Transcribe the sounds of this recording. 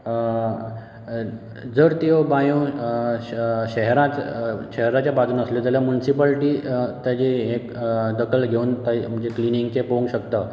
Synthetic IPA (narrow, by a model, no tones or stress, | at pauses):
d͡zəɾt̪eobajũ | ɕəɦɾãt͡s̪ɕəɦɾat͡ɕjabad͡zuːnəsljed͡zaljamjunisipəlʈiːt̪jat͡ɕiɦek̚d̪əkʰəlɡʱeuːnt̪am̤əd͡ʑekliniŋɡkepoŋɡɕəkt̪ə